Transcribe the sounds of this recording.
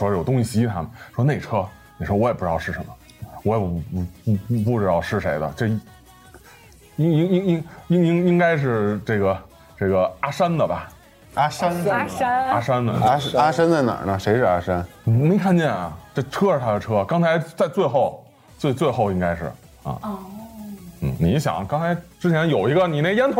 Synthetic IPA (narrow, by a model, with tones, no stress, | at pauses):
ʂwɔ˥˧jo˨˩ʊt̪ʊ˥ŋɕi˥˩ɕi˧˥t̪ʰa̰˥mə˨˩nʂwɔ˥ne˥˩ɪʈ͡ʂʰɤ˥ | ni˨˩ʂwɔ˥wɔ˧˥jpu˥˩ɻ̩˧ɑ˥˧ʂɻ̩˥˩ʂə˧˥mə˧ | wɔ˧˥jɛ˨˩˥pu˥˩ʈ͡ʂɻ̩˥t̪ɑ˥˧ʊʂɻ̩˥˩ʂe˧˥ɪd̪ə̰˧ʈ͡ʂɤ˥˩˧ | i˥ŋi˥ŋi˥ŋi˥ŋi˥ŋi˥ŋi˥ŋka˥ɪʂ̬ɻ̩˥˧ʈ͡ʂɤ˥˩ɡə˩ | ʈ͡ʂɤ˥˩ɡə˩a˥ʂa˥nd̪ə˨bɐ˨˩ | a˥ʂa˥n˥a˥a˥ʂa˥nd̪ə̰˨a˥ʂa˥nd̪ə˨na̰˨˩nə˧ʂe˧˥ɪʂɻ̩˥˧a˥ʂa˥n˨˩me˧˥ɪkʰa˥˧nt͡ɕjɛ˥˩nɐ̰˨˩ʈ͡ʂɤ˥˩ʈ͡ʂʰɤ˥ʂ̩˧˩t̪ʰa˥d̪ə˨ʈ͡ʂʰɤ˥˧kɑ˥ŋt͡sʰa˧˥ɪt͡sa˥˧ɪt͡swe˥˧ɪxo˥˩ʊ | t͡swe˧ɪt͡swe˥˧ɪxo˥˩ʊi˥ŋka˥ɪʂɻ̩˥˩ | ɐ̰˨˩˧ | n̩˥˩ni˧˥ɕjɑ̰˨˩˦ŋkɑ˥ŋt͡sʰa˧˥ɪʈ͡ʂɻ̩˥t͡ɕʰjɛ˧˥njo˨˩ʊi˧˥ɡə˧ni˨˩ne˥˩jɛ˥nt̪ʰʊ˧˥